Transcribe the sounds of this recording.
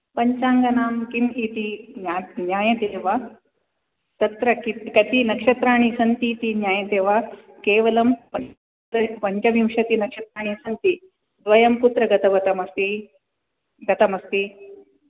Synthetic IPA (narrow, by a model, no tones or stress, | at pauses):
pɐɲt͡ʃaːŋɡɐnaːmkimit̪ianjaːjɐt̪eːʋaː | t̪ɐt̪ɾɐkit̪kɐt̪inɐkʂɐt̪ɾaːɳ̃isɐnt̪it̪injaːjɐt̪eːʋaː | keːʋɐlɐmpɐ | ɐpɐɲt͡ʃɐʋimʂɐt̪inɐkʂɐt̪ɾaːɳ̃isɐnt̪i | d̪ʋɐjɐmput̪ɾɐɡɐt̪ɐʋɐt̪ɐmɐst̪i | ɡɐt̪ɐmɐst̪i